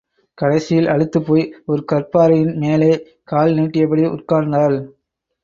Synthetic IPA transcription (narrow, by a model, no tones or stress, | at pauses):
kɐɽɐɪsɪjɪlɐɻɯt̪ːɯpːoːjɔɾɯkɐrpaːɾɐjɪnmeːleː | kaːlniːʈːɪjɐp̬ːɐɽɪʊrkaːɾnd̪aːl